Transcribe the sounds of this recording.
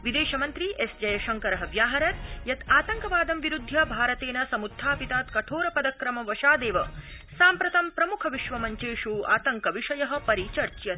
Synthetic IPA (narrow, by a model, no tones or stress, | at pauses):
ʋid̪eːʃɐmɐnt̪ɾiʔesd͡ʒɐjɐʃɐŋkɐɾɐɦɐʋjaːɦɐɾɐt̪jɐt̪aːt̪ɐŋkɐʋaːd̪ɐmʋiɾud̪ʱːjɐbʱaːɾɐt̪eːnɐsɐmud̪ʱːaːpit̪aːt̪kɐʈʰoːɾɐpɐd̪ɐkɾɐmɐʋɐʃaːd̪eːʋɐ | saːmpɾɐt̪ɐmpɾɐmukʰɐʋiʃʋɐmɐɲt͡ʃeːʃuːa̰ːt̪ɐŋkɐʋiʂɐjɐɦɐ̆pɐɾit͡ʃɐɾt͡ʃjɐt̪